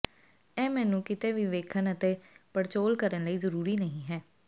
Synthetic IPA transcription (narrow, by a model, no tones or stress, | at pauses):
ɛːmɛːnũːkɪt̪eːʋiʋeːkʰənət̪eːpəɾt͡ʃoːlkəɾənləiːzəɾuːɾiːnəɦĩːɦɛː